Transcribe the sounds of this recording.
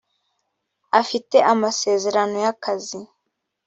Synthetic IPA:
afite̞ʔamase̞ːze̞ɾano̞jakʰazi

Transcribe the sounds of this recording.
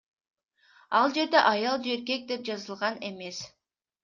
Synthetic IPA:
ɑlˠd͡ʒe̞ɾd̪e̞ʔɑjɑlˠd͡ʒe̞ɾke̞k̚d̪e̞p̚d͡ʒɑzɯlˠʁɑne̞me̞s

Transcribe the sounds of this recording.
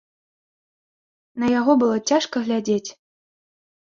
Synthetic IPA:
nɐjaɣɔbɨlˠɔt͡sʲaʂkəɣlʲad͡zʲet͡sʲ

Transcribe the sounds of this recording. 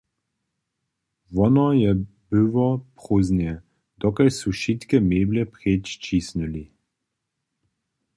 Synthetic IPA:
ʋɔnɔjɛ | biʋɔpχoːznjɛ | d̪̥ɔkɛjsuʃit̪kɛmeːblʲɛpɾet͡ʃt͡ʃisnuli

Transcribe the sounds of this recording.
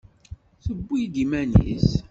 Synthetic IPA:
θəbːijd̪imænḭs

